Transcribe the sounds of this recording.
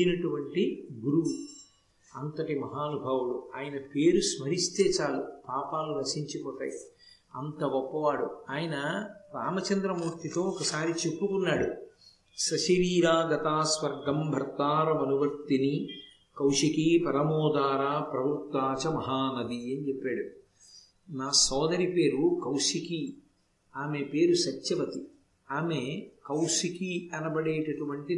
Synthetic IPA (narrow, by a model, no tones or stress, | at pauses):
inɐʈuʋɐɳʈiɡuɾu | ɐnt̪ɐʈimɐɦaːnubʱɐːʋuluaːjɐnɐpeːɾusmɐɾist̪eːt͡ʃaːlupaːpaːlːunɐsiɲt͡ʃipɔːt̪a̰ːji | ɐnt̪ɐʋɔpːɐʋaːɽṵaːjɐnɐɾa̰ːmɐt͡ʃɐnd̪ɾɐmuːɾt̪it̪o̞ːɔkɐsaːɾit͡ʃepːukunːaːɽu | sɐʃɐɾiːɾaːɡɐt̪aːsʋɐɾɡɐmbʱɐɾt̪aːɾɐmɐnuʋɐɾt̪ini | kɐwʂikipɐɾɐmɔːd̪aːɾaːpɾɐbɾt̪ːaːt͡ʃɐmɐɦaːnɐd̪iɐnit͡ʃepːaːɽu | naːsɔːd̪ɐɾipe̞ːɾukɐwʂiki | aːmepe̞ːɾusɐt͡ʃːjɐpɐt̪i | aːmekɐwʂikiɐnɐbɐɽeːʈɐʈuʋɐɳʈi